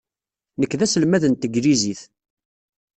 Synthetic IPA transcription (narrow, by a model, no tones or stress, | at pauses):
nəkːðæsəlmæðənt̪əɡɾiziθ